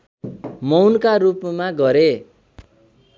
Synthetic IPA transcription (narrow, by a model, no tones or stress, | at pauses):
mʌwnkaɾupmaɡʌɾe